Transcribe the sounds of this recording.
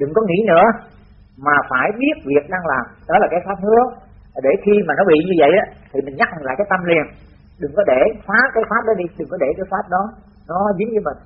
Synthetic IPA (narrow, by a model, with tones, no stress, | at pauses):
ɗɨ˨˩ŋkɔ˨˦ŋḭ˧˥nɨ̰˧˥ə | maː˨˩faː˧˩jɓi˦˥ət̚vi˨˩ək̚ɗaː˧ŋlaː˨˩mɗɔ˨˦laː˨˩kaː˨˦jfaː˦˥p̚nɨ̰˧˦˥ə | laː˨˩ɗe˧˩xi˧maː˨˩nɔ˨˦ɓḭ˧˨ɲɨ˧və̰˧˨jʔaː˨˦t̪ʰi˨˩mï˨˩ŋ̟ɲa˦˥k̚la̰ː˧˨jkaː˨˦jt̪ə˧mli˧˩ən | ɗɨ˨˩ŋkɔ˨˦ɗe˧˩faː˨˦kaː˨˦jfaː˦˥p̚ɗɔ˨˦ɗi˧ɗɨ˨˩ŋkɔ˨˦ɗe˧˩kaː˨˦jfaː˦˥p̚ɗɔ˨˦ | nɔ˨˦zi˨˦nvɨ˨˦mï˨˩ŋ̟